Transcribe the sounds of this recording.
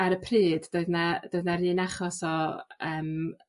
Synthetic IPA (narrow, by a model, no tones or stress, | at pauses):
aɾəpʰriːddoɨðnad̥oɨðnaɾiːnaχɔsɔəːm